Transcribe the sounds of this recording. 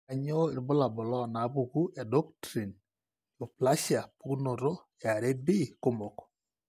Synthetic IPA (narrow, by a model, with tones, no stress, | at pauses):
a˨ɲo˦ɪ˨ɾbʊ˦la˨bʊ˨lɔ˦˨na˨˦bu˨ku˦ɛ˨dɔ˦k̚tɾi˨n | jo˨pla˦ʃa˨pu˦kno˨ɾo˦ | ɛ˨a˨ɾe˦bɪ˦ko˦mo˨k